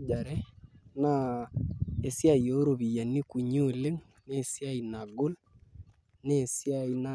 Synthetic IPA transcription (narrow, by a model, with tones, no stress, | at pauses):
d͡ʒa˨ɾɛ˦na˦ | e˨sja˦˨jo˦ɾo˨βi˨ja˨ni˦ku˨ɲo˦˨le˦ŋ | ne˦˨sja˦i˨na˨ɡo˦l | ne˦˨sja˦˨i˦na˦